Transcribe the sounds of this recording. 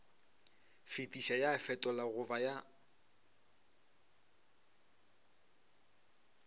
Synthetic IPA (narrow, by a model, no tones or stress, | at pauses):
fitʼiʃajafɛtʼɔlaɣʊvaja